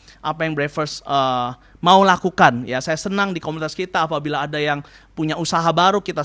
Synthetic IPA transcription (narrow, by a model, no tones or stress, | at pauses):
ʔapajaŋbɾefərsə | maulakukanjasajasənaŋdikomunit̪askit̪aːpabilaːdajaŋ | puɲausaɦabaɾukit̪a